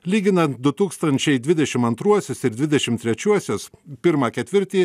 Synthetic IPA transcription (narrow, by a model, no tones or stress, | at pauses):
lʲiːɡʲɪnɐnt̪̚d̪ʊt̪uːkst̪ɐnʲt͡ʃʲɛɪd̪ʲʋʲɪd̪ʲɛʃʲɪmɐnt̪ɾuɔsʲosɪɾd̪ʲʋʲɪd̪ʲɛʃʲɪmt̪ʲɾʲɛt͡ʃʲuɔsʲoːspʲɪɾmɑːkʲɛt̪ʲʋʲɪɾʲt̪ʲiː